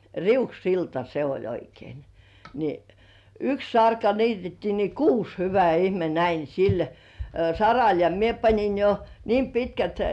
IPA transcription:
riuksiltɑ se olʲ oikein ni yks sɑrkɑ niːtetːiː ni kuːs hyʋæ ihme næin̞ sil sɑrɑl jɑ mie pɑnʲin jo niːm pitkæt

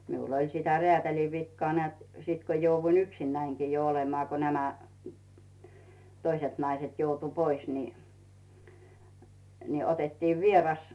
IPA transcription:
miul olʲ sitæ reætæli ʋikːŏɑː nĕæˑt siˑt ko jouʋːuin yksinːæiŋkiː jo olemɑː ko næmæ toiset nɑiset joutu pois ni ni otetːiːʋ ʋierɑs

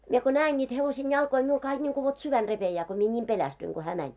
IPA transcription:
mie ko næːen nʲiːt heʋosen jɑlkoi miul kɑik nʲiŋku ʋot syʋæn repejæː ko mie nʲiːm pelæstyiŋ ɡ̊o hæː mænʲ

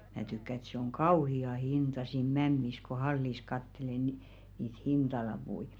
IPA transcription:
mæː tykːæ ĕt se oŋ kɑuhiɑ hintɑ siːn mæmːis ko hɑlːis kɑtːele ni niːt hintɑlɑpui

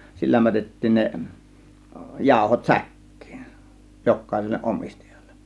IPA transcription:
silːæ mætetːiːn ne jɑˑo̝hot sækːi̥ːn̥ jokːɑˑe̝selːeʔ ʔomistɑjɑ̥l̥ːe̥n̥

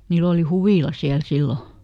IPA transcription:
niːlː oli huʋiˑlɑ siæl silːo

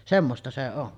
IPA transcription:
semːostɑ se on

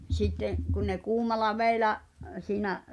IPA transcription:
sitːeʔ kun ne kuːmɑlˑɑ ʋeˑi̞læ̠ʔ siːnæʔ

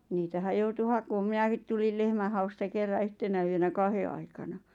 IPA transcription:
niːtæhæj̆ joutu hɑkoːm minækit tulil lehmæhɑustɑ kerːɑ yhtenæ yønæ kɑhe ɑikɑnɑ

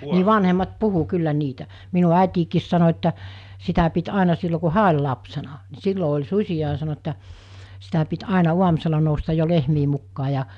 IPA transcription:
niː ʋɑnhemːɑt puhu kylːæ niːtæ minu ɑˑitiːkiːs sɑno etːæ sitæ pit ɑˑenɑ silːo ku hæː olʲ lɑpsenɑ ni silːo olʲ susʲiɑ ɑ sɑno etːæ sitæ pit ɑˑenɑ uɑmŭselɑ noustɑj jo lehmiː mukːɑː jɑ

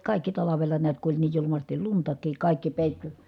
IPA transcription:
kɑˑikːi tɑlɑʋelɑ niæt ku olʲ niːj julumɑstil luntɑkˑiːk kɑˑikːi peˑitːy

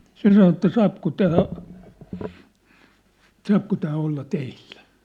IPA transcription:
se sɑno etːæ sɑːpko tæː sɑːpko tæː olːɑ teill̥æ̥

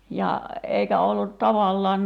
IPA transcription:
jɑ eikæ olːut tɑʋɑlːɑːn

